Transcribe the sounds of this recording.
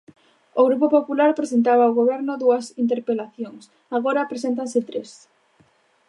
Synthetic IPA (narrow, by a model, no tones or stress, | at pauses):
oɣɾupopopulaɾpɾes̬ent̪aβaoɣoβ̞ɛɾnʊðuɐsint̪̬eɾpelaθjoŋs | aɣ̞oɾapɾes̬ent̪̬ansɪt̪ɾes